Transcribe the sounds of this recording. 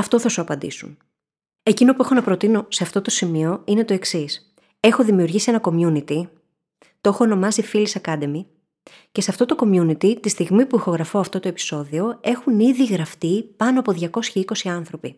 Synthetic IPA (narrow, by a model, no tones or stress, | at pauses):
ɐft̪o̞θɐsuɐpɐnd̪ḭsun | e̞cino̞puexo̞nɐpɾo̞t̪ino̞se̞ɐft̪o̞t̪o̞simio̞ine̞t̪o̞e̞ksis | e̞xo̞ðimiuɾʝisie̞nɐko̞mjunit̪i | t̪oexo̞ːno̞mɐsifilisɐkɐd̪e̞mi | ce̞se̞ɐft̪o̞t̪o̞ko̞mjunit̪it̪ist̪iɣmipuixo̞ɣɾɐfo̞ɐft̪o̞t̪o̞e̞pi̥so̞ðio̞e̞xuniðiɣɾɐft̪ipɐnoɐpo̞ðʝɐko̞sçɐiko̞siɐnθɾo̞pi